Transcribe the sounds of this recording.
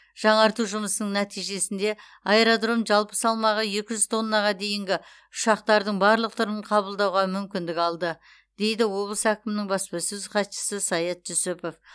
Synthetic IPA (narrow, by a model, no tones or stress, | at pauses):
ʒ̥ɑɴɑɾt̪uʒʊməsənəɴnæt̪ijʒe̞sɪnd̪e̞ | ɑeɾod̪ro̞mʒɑlˠpə̥sɑlˠmɑʁəje̞kʲɪʒʏzt̪ʰo̞nːɑʁɑd̪e̞jɪŋɡʲɪ | ʊʃɑq̚t̪ɑɾd̪əɴbɑɾlˠəq̚t̪ʰʊɾəɴqʰɑbəlˠd̪ɑwʁɑmʏmkʲɪnd̪ɪkɑlˠd̪ə | d̪̥e̞jd̪ɪwo̞blˠəsækʲɪmɪnɪŋbɑspɪsɵzχɑt̪ʃə̥səsɑjɑt̪̚ʒʊsʊpo̞f